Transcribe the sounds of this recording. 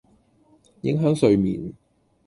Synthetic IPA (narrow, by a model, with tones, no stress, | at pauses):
jɪ̰˧˥ŋɦœː˨˥ŋsɵ˨˧ɥmḭː˨˩n